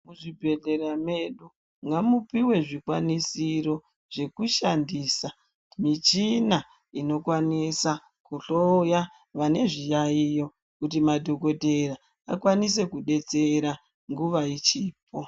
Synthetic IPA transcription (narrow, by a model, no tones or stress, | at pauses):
muʐibʱe̞ɮe̞ɾame̞ɗu | ŋɡamupiwe̞ʐikwanisiɾo̞ | ʐ̥e̞kuʃandiːsa | mit͡ʃina | ino̞kwanisa | kuɬoja | ʋane̞ʐijaijo̞ | kutimadʱo̞ko̞te̞ɾa | akwanis̬e̞kuɗe̞t͡se̞ɾa | ŋɡuʋait͡ʃiːp̚ʰo̞